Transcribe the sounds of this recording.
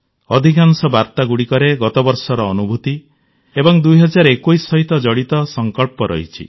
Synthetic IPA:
ɔd̪ʱikansɔbaɾt̪aɡuɽikɔɾeɡɔt̪ɔbɔɾsɔɾɔːnubʱut̪i | ebɔŋd̪ujɦɔd͡ʒaɾekojsːɔɦit̪ɔd͡ʒɔɽit̪ɔsɔŋkɔɭpɔɾɔ̰ɦḭt͡ʃʰḭ

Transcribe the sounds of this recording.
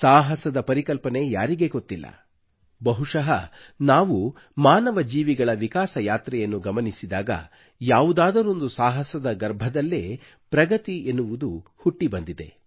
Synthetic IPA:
saːɦɐsɐd̪ɐpɐɾikɐlpɐne̞jaːɾiɡe̞ɡot̪ːilːɐ̰ | bɐɦuʂɐɦɐ | naːʋu | maːnɐʋɐd͡ʒiːʋiɡɐɭɐʋikaːsɐjaːt̪ɾɛjɐnːuɡɐmɐnisid̪aːɡɐ̰ | jaːʋud̪aːd̪ɐɾo̞nd̪usaːɦɐsɐd̪ɐɡɐɾbʱɐd̪ɐlːeː | pɾɐɡɐt̪ienːuʋud̪uhuʈːibɐnd̪id̪e̞̰

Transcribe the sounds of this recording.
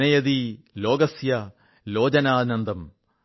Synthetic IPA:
ɐjɐði | lo̞ːɡɐsjɐ | loːd͡ʑɐnaːnɐnd̪ɐm

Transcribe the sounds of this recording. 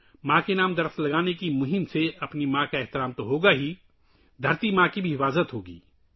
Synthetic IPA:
mãːkenaːmd̪ɐɾslɐɡaːnekimʊɦɪmseɐpnimãːkaɛɦt̪ɪɾaːmt̪oɦoːɡaɦi | d̪ʱɐɾt̪imãːkibʱiɦɪfaːzət̪ɦoːɡḭː

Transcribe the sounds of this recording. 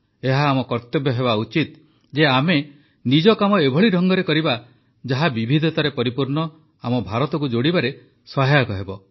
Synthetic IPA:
eɦaːmɔkɔɾt̪ɔbʱjɔɦeβaut͡ʃit̪ | d͡ʒeame | nid͡ʒɔkamɔebʱɔɭiɾʱɔŋɡɔɾekɔɾiba | d͡ʒaɦabibʱid̪ʱɔt̪aɾepɔɾipuɾɳɔ | amɔbʱaɾɔt̪ɔkud͡ʒoɽibaɾe | sɔɦajakɔɦebɔ

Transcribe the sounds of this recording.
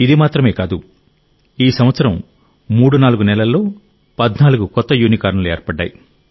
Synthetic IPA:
id̪imaːt̪ɾɐme̞ːkaːd̪u | iːsɐmʋɐt̪sɐɾɐmː | uːɽunaːluɡunɛlɐlːo̞ː | pɐd̪naːluɡukɔt̪ːɐjuːnikaːɾɳɐlueːɾpɐɖːa̰ːji

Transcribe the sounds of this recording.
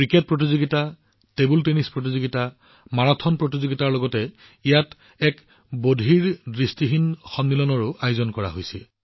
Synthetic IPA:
kɹiket̚pɹot̬izoɡita | tebultenispɹot̬izoɡita | maɹatʰɔnpɹotizoɡitaɹlɔɡɔtɛ | ijat | ɛk | bodʱiɹdɹistiɦinxɔmnilɔnɔɹʊʔajʊzɔnkɔɹa̰ɦojsɛl

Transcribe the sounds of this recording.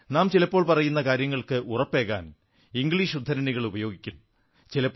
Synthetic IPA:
naːmt͡ɕilɐpːoːɭpɐrɐjunːɐkaːɾjɐŋːɐɭkɨʔurɐpːe̞ːɣa̰ːn | iŋɡɭiːʂud̪ʱːɐɾɐniɣɐɭubɐjoːɡikʲːunːu | t͡ɕilɐpː

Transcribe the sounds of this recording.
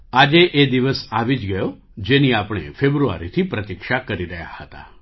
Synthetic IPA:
ad͡ʒeʔed̪iʋəsaʋid͡ʒɡəjo | d͡ʒeniapɽ̃ḛfebɾua̰ɾit̪ʰipɾət̪ikʃakəɾiɾəɦja̰hət̪a̰

